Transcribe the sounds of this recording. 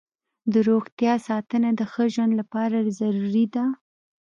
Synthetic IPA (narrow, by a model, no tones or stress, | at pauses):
d̪əɾoɣt̪jɑsɑt̪ənad̪əxəʒwand̪lapɑɾazaɾuɾid̪a